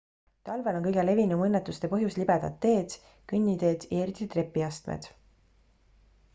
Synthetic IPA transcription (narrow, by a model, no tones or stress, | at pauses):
t̪ɑlve̞lo̞nkɤjɡele̞vinumɤnːet̪ːˑust̪e̞pɤɦjuslibed̪̥ɑd̪ːe̞ːd̪̥ | kynʲːid̪e̞ːd̪̥jɑeɾit̪ˑit̪re̞pːˑiɑst̪mḛd̪̥